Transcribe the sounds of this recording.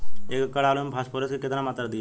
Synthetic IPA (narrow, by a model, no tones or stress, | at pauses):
eːkkːəɽaːlomebʰʱaːspoːɾeskekɪt̪namaːt̪ɾad̪ɪja